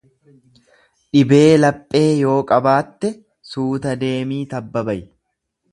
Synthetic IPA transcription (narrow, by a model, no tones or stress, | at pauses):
ɗɪbe̞ːlɐpʼːe̞ːjo̞ːkʼɐbaːt̪ːɛ | suːt̪ɐd̪e̞ːmiːt̪ɐbːɐbɐj